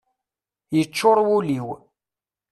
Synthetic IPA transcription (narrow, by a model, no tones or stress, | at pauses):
jət͡ʃːoɾˤwuliw